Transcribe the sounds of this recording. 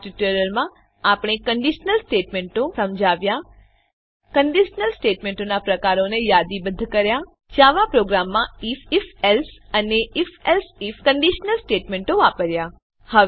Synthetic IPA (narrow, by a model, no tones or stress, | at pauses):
ʈuʈəɾəlmã | apɳ̃ekəɳɖiʃnəlsʈeʈmeɳʈõsəmd͡ʒʱaʋja | kəɳɖiʃnəlsʈeʈmẽɳʈonapɾəkaɾonejad̪ibəd̪ʱːkəɾja | d͡ʒaʋapɾoɡɾamːãififɛlsəneʔifɛlsifkəɳɖiʃnəlsʈeʈmeɳʈoʋapəɾja | hə